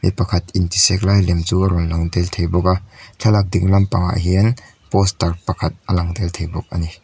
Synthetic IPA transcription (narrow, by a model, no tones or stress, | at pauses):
mḭpɐkʰɐt̪̚intisɛk̚lajlɛmt͡suɐɾɔnlaŋd̪ɛlt̪ʰejbɔk̬aɬʰɐlak̚diŋlɐmpaŋa̰ʔə̰ɦin | pɔstɐrpɐkʰɐt̪̚ʔɐlaŋd̪ɛltʰejbɔk̚ʔa̰ni